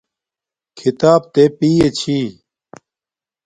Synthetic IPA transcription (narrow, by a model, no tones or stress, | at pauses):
kʰit̪aːb̚t̪epiːet͡ɕʰiː